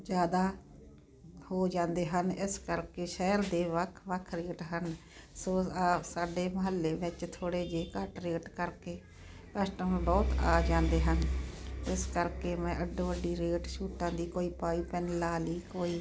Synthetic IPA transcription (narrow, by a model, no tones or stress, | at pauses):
d͡ʒjaːd̪aː | hoːd͡ʒãːnd̪eːɦənɪskəɾkeːʃɛːəɾd̪eːʋəkʰʋəkʰɾeːʈɦən | soːaːsaːɖeːməɦəlːeːʋɪt͡ʃt̪ʰoːɽeːd͡ʒeːkəʈɾeːʈkəɾkeː | kəsʈəmbɔːt̪a̰ːd͡ʒãːnd̪eːɦənɪskəɾkeːmɛ̃ːʔəɖːõːəɖiːɾeːʈʃuːʈãːd̪iːkoːiːpaːiːpɛnlaːliːkoːiː